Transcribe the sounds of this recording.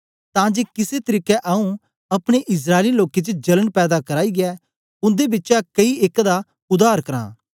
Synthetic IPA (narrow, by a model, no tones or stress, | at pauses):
t̪ãːd͡ʒeːkɪset̪ɐɾiːkɛʔaːũ | ɐpɽ̃eʔɪs̬ɾaːeliloːket͡ʃəd͡ʒɐləɽpɛːd̪akɐɾaːiɡɛː | ʊ̃nd̪ebɪtːt͡ʃakɐieːkd̪a | ʊd̪aːɾkɐɾã̰ː